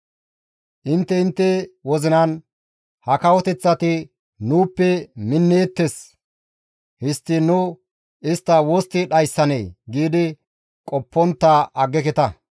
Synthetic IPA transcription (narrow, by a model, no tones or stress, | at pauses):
ʔɪnt̪ːɛɪnt̪ːɛwɔzɪnɐn | hɐkɐwɔt̪ɛt͡sːɐt̪ɪ | nuːpːɛmɪnːeːt̪ːes | hɪst̪ːɪnʊ | ʔɪst̪ːɐwoːst̪ːɪɗɐjsːɐneːɡiːd̪ɪ | kʼɔpːɔnt̪ːaʔɐɡːɛkɛt̪ɐ